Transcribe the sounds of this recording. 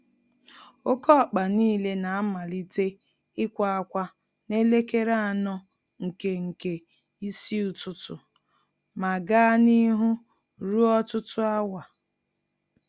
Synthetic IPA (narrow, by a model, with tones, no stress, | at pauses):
o˦kɔ˦a˨k͡pa˨niː˦˨le˦na˨a˦ma˨li˦te˦ | ɪ˦kʷa˨a˦kʷa˦ | ne˦le˦ke˦ɾa˦a˨nɔ˦ | ŋ̩˨ke˨ŋ̩˨ke˨ | i˦si˦ʊ˨tʊ˦tʊ˨ | ma˨ɡa˦a˦ni˦ɦʊ˦ | ɾu˦ɔ˦tʊ˦tʊ˦a˦wa˨